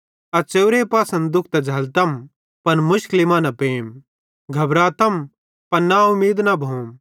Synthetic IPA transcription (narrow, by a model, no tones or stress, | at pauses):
ɐt͡ʃewɾepaːsɐ̃nd̪d̪ʊkʰt̪ɐd͡ʒʱɐlt̪ɐm | pɐnmʊʃklɪmaːnɐpeːm | ɡʱɐbɾat̪ɐm | pɐnnaʊmiːd̪nɐbʱoːm